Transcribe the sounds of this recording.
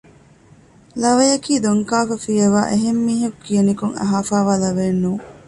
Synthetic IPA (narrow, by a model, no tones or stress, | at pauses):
lɐʋɐjɐkiːd̪oŋkaːfɐfijɐʋa̰ːʔeɦemːiːɦɐkukijɐnikuŋɐ̰ɦaːfaːʋaːlɐʋeːnːuː